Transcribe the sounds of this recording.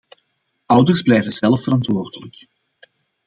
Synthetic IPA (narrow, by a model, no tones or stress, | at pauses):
ʌwdərzblɛjvənz̥ɛlˠfəɾɑntʋoːrdələk